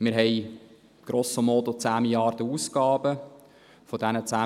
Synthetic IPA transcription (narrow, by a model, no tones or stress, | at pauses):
mɪɾɦɛɪ | ɡ̥ɾoːsəmotot͡sæːmiljɑːrd̥əuːskɑːbə | fodænət͡sæː